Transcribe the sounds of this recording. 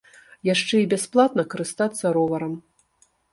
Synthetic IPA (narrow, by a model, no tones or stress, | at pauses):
jaʂt͡ʂɛibʲasplˠat̪̚nɐkɐɾɨst̪at̪sːɐɾɔvɐɾɐm